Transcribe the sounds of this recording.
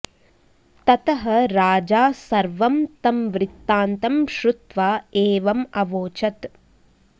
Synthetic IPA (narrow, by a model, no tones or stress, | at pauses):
t̪ɐt̪ɐɦɐɾaːd͡ʒaːsɐɾʋɐmt̪ɐmʋɾɪt̪ːaːnt̪ɐmʃɾut̪ʋaːeːʋɐmɐʋoːt͡ʃɐt̪